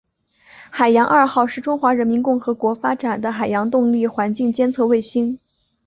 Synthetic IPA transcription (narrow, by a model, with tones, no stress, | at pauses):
xa˨˩ɪjɑ˧˥ŋʔa˞˥˧xɑ˥˧ʊʂɻ̩˥˩ʈ͡ʂʊ˥ŋxwa˧˥ɻə˧˥nmi˧˥nkʊ˥˩ŋxɤ˧˥kwɔ˧˥fa˥ʈ͡ʂa˨˩nd̪ə˦xa˨˩ɪjɑ˧˥ŋt̪ʊ˥˧ŋli˥˩xwa˧˥nt͡ɕi˥˩ŋt͡ɕjɛ˥nt͡sʰɤ˥˧we˥˩ɪɕi˥ŋ